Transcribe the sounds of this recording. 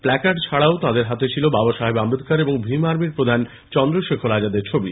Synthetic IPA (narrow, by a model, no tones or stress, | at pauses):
plɛkaʈt͡ɕʰaɽaot̪ãd̪eɾɦat̪et͡ɕʰilobabaʃaɦebambid̪ʱkaɾeboŋbʱimaɾmiɾpɾod̪ʱan | t͡ɕɔnd̪ɾoʃekʰoɾad͡ʑad̪eɾt͡ɕʰobi